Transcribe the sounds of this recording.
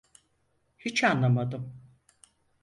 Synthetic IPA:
hit͡ʃʰanlˠamad̪ɯm

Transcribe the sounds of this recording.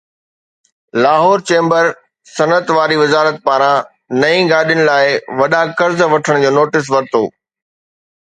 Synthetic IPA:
laːɦɔːɾt͡ɕẽːmbəɾ | sɐnət̪ʋaːɾiʋɪzaːɾət̪̚paːɾã | nɐĩɡaːɗɪjəñɪ̆laːɪʋɐɗãkɐɾzʋɐʈʰəɽ̃d͡ʑoːnoːʈɪs̬ʋɐɾt̪o̰ː

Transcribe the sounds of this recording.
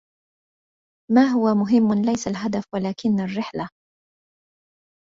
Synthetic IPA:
maːɦʊwamʊɦɪmːlajsalɦad̪afwalaːkɪnːarːɪħla

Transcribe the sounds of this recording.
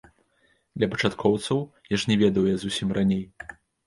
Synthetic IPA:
d̪lʲɐpɐ̥t͡ʂat̪kʰɔwt̪sɐwjaʂnʲɛvʲɛd̪ɐwjazusʲimranʲej

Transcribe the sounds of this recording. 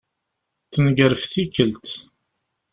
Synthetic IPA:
θənɡəɾəfθikəlt̪

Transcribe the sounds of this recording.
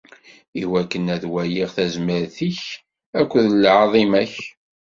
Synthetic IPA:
iwækːənæðwæjiʁθæzməɾθiç | ækʷːðlʕɑðˤimæç

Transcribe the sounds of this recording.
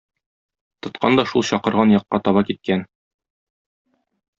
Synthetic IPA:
t̪ŏt̪qʰɑ̰nd̪ɒʃulˠɕɒqɤ̆ɾʁɑnjɒqːɑt̪ɒβɑkit̪̚kæn

